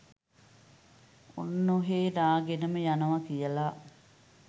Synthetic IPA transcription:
onːoɦeːdaːɡenəməjanəʋakijəla

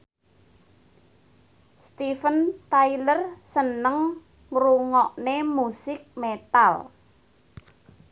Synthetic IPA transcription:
st̪ifənt̪ailərsənəŋ | ruŋɔʔnemusɪk̚met̪al

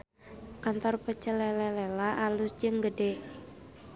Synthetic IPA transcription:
kant̪ɔrpət͡ʃəlɛlɛlɛlaʔalʊsd͡ʒɨŋɡədɛ

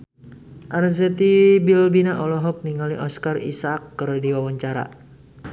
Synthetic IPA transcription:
ʔarzɛt̪ibilbinaʔɔlɔɦɔk̚niŋaliʔɔskarḭsakːərdiwawaɲt͡ʃaɾa̰

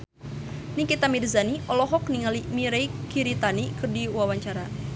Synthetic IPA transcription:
nikit̪amirzaniʔɔlɔɦɔkniŋalimiɾejkiɾit̪anikɨrdiwawaɲt͡ʃaɾa

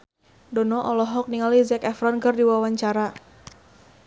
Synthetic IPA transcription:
dɔnɔʔɔlɔɦɔk̚niŋalizɛkɛfɾɔnkərdiwawaɲt͡ʃaɾa

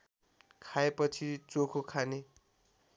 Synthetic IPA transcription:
kʰaepʌt͡sʰit͡sokʰokʰane

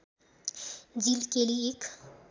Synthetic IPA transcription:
d͡ʒilkeliek

